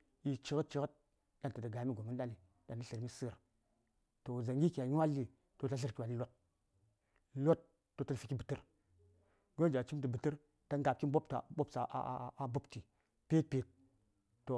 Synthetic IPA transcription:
i˨t͡ʃi˦kə˦t̚t͡ʃi˦kə˦t̚ | ja˦n˨ta˨də˨ɡa˨˦mi˦ɡo˨mi˦n˦ɗa˦ni˨ | da˨ni˦ɬi˨ɾmi˦sɨ˦˨ɾ | to˨za˨ŋɡʲi˦ki˨ja˨ɲ˦wa˦lːi˦ | to˨ta˦ɬ̬i˦ɾkʲi˨wa˨ni˦lo˦t̚ | lo˦t̚ː | o˨tə˦lfi˨ki˦bɨ˨tɨ˦ɾ | ɡo˦nd͡ʒa˨t͡ʃi˦mti˨bɨ˨tɨ˦ɾ | ta˦ŋ˦ɡa˨p̚ki˦nbo˦pta̰˨bo˦psa˨ʔa˦bu˦pti˨ | pe˦t̚pe˨t̚ː | o˨

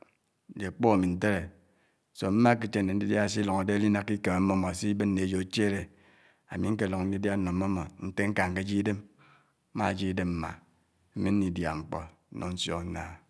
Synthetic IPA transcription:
d͡ʒe˨k͡po˦a˨mi˨n̩˦te˦ɾe˨ | so˨m̩˦ma˦k̬i˦t͡ʃe˦nː˨e˨n̩˦di˦dja˦˨s̬i˦lo˨ŋa˨de˦li˦na˦kːi˦ke˨ma˨m̩˦mːo˦mo˨si˦bɨ˦nː˦e˨d͡ʒo˨˦t͡ʃe˦ɾe˨ | a˨mi˨˦ŋ̩˦ke˦˨lo˨ŋ˨n̩˦di˦dja˦n˦no˨˦mːo˦mo˨n̩˦te˦ŋ̩˦ka˨ŋ̩˨ke˦d͡ʒi˦de˦m˦ | ma̰˦˨d͡ʒi˦de˦mm̩˦ma̰˨˦ | mi˦n̩˦ni˨dja˨ŋ͡m̩˨k͡pɔ̰˨˦ | nʔɔ̰˨n̩˦sjɔ̰˦n̩˦na˦

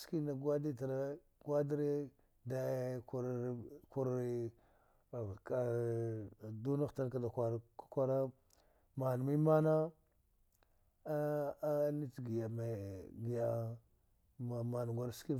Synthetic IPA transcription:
ski˦na˨ɡwa˦di˦ta˨ɾa˦ | ɡwa˦di˦ɾe˦ | da˨˦ku˦ɾku˦ɾ | ka˨ | du˦na˦xta˦ɾka˨da˨kʷa˨ɾa˨kḁ˦kʷa˦ɾa˦ | ma˨n˨mi˦ma˦na˦ | ni˦tɡi˨ja˨ma˨ɡi˨ja˦˨ | ma˨ma˨n˨ɡʷa˨ɾski˦

